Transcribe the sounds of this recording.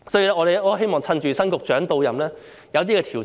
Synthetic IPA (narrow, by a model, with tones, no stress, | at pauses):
sɔː˨˥ji˧lɛː˥ŋɔ˨˧ɾe˨jʔɔː˥ɦe˥jmɔː˨ŋt͡sʰɐ˧nt͡ʃyː˨sɐ˥nkʊ˨k̚t͡ʃœː˨˥ŋt̪o˧wjɐ˨mlɛː˥ | jɐ˨˧wt̪̬iː˥kɛː˧t̪ʰi˨˩